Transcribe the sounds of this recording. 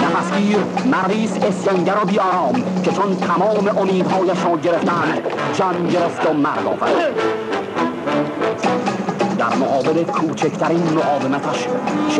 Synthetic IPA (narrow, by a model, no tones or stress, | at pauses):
næfæsɡiːɾmæɾːiːsesjæŋɟæɾɒbiːʔɒːɾɒːmcʰet͡ʃʰont̪ʰæmɒːme̞ʔomiːd̪hɒːjæʃɾɒːɟe̞ɾe̞ft̪ʰæænd̪d͡ʒæmɟeɾeft̪omæɾd̪ɒ̰ːvæ̰ɾ | d̪æ̰ɾmoɣɒːbelekʰuːt͡ʃʰekʰt̪ʰæɾiːnmoɣɒːvemæt̪ʰæʃʃ